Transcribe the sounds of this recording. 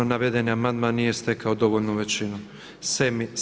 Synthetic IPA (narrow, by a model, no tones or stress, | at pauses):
onaʋed̪e̞niamand̪manːije̞st̪e̞kaod̪o̞ʋolʲnuʋe̞t͡ʃinu | semi